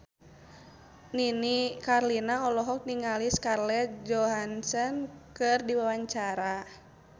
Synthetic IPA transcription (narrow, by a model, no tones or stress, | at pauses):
ninikarlinaɔlɔɦɔk̚niŋaliskarlɛd͡ʒɔɦansənkɨrdiwawaɲt͡ʃaɾa